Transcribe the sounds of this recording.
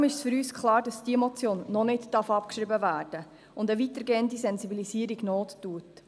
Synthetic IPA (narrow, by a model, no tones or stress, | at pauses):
mɪʃsfʏɾyːskχlɑːɾdɑsd̥iəmɔt͡sjoːnːɔnɪdd̥ɑɾfɑpkʃɾɪbəvæːrd̥ə | ʊndəʋitəɾɡeːəndisɛnzibilisiːəɾiɡnoːttuət